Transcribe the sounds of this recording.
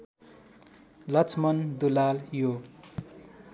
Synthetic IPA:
lʌt͡sʰmʌnd̪ulaljo

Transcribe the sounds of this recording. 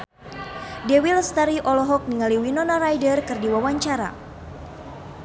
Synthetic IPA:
dɛwilst̪aɾiʔɔlɔɦɔk̚niŋaliwinɔnaɾajdərkɨrdiwawaɲt͡ʃaɾa̰

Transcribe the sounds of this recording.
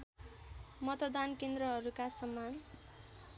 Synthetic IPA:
mʌt̪ʌd̪ankend̪ɾʌɦʌɾukasʌmːan

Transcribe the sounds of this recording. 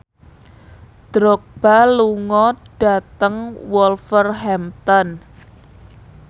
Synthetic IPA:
d̪̥ɾɔk̚b̥aluŋɔɖ̥a̤t̪əŋwɔlfərɦɛmt̪ɔn

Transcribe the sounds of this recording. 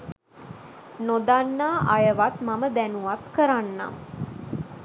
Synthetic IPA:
nod̪anːaːʔajəʋat̪maməd̪ænuʋat̪kəɾanːa̰mə

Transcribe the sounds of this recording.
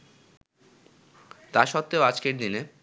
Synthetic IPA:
t̪aɾʃɔt̪ːeoad͡ʑkeɾd̪ine

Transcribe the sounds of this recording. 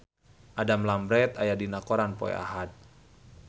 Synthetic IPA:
ʔadamlambɾɛt̪ajadinakɔɾanpɔ̰ɛ̰a̰ɦat̪̚

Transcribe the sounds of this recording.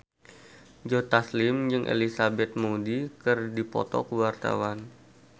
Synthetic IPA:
d͡ʒot̪aslɪmd͡ʒɨŋʔḛlisabɛt̪̚modikɨrdipɔ̰t̪ɔ̰kəwart̪a̰wan

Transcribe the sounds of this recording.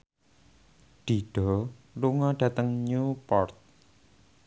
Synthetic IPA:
ɖ̥i̤ɖ̥ɔ̤luŋɔɖ̥ä̤t̪əŋɲupɔrt̪̚

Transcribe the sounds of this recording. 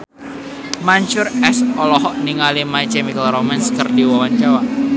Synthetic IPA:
maɲt͡ʃʊrɛsɔlɔɦɔʔniŋalimait͡ʃɛmikəlɾomanskərdiwɔwaɲt͡ʃawa

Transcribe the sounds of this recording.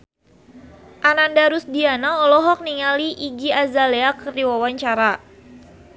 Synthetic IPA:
ʔanandaɾusdianaɔlɔɦɔk̚niŋaliʔiɡiazaleakərdiwawaɲt͡ʃaɾa

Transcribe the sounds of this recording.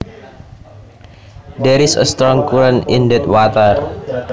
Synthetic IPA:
d̪ɛɾisə̰st̪ɾɔŋkuɾənindɛt̪wat̪ər

